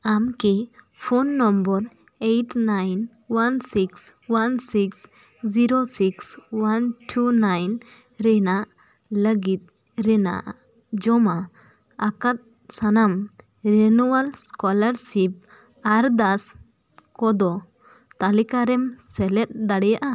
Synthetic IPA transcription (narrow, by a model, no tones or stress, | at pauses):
amki | pʰonːɔmbɔɾ | ejʈnajn | wansikswansiks | d͡ʒiɾosikswanʈʰunajn | ɾɛnaʔ | ləɡit̪̚ | ɾɛna̰ʔ | d͡ʒɔma | akat̪̚ | sanam | ɾɛnuwalskɔlaɾsip̚ | aɾd̪as | kɔd̪ɔ | t̪alikaɾɛmsɛlɛt̪̚d̪aɽɛjaʔa